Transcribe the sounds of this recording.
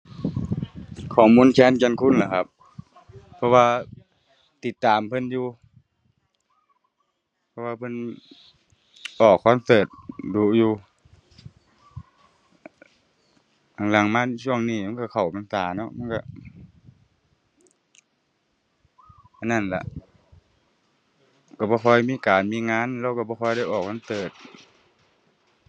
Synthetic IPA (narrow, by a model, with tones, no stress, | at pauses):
kʰɔː˨˩muː˧˥˨nkʰɛː˧˥˨nka˧˨nkʰu˧˥˨nla˨˧˩kʰa˧p̚ʰː | ɔ˧waː˧ | t̪i˧˩t̪ːaː˨mpʰɤ˧˥˨njuː˧ | pʰɔ˧waː˧pʰɤ˧˥˨n | ʔɔː˨˩kʰːa˧˥˨msɤː˨˩t̪̚duː˨˧˦juː˧ | ka˨˩ŋla˨˩ŋmaː˧˥˨t͡ɕʰu˧˩əŋniː˧˩˨ma˧˥˨ka˧˩kʰa˨˩wpa˨nsaː˨˩˦nɔ˧˦ma˧˥˨ka̰˧ | ʔa˧˨nːa˧˩˨nla̰˧ʔ | ka˧˩bɔː˧kʰɔ˧˩jmiː˧˥˨kaː˨˩nmiː˧˥˨ŋaː˧˥˨nlɛː˧˨wka˧˩bɔː˧kʰɔ˧˨jɾa˧˥˩jʔɔː˨˩k̚ma˧˥˨nsɤː˨˩t̪̚